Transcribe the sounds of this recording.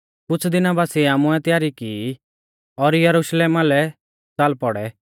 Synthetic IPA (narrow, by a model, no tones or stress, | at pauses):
kʊt͡sʰd̪ɪnabaːsiaːmuɛt̪ɪjaːɾiki | ɔɾjɐɾuʃleːmalɛ | t͡saːlpɔɽɛ